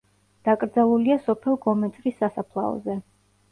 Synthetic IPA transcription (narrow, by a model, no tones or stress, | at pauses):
d̪̥akʼɾd̪zalˠuliasɔpʰɛlˠɡɔmɛt̪sʼɾisːasapʰlˠa̰ɔ̰zɛ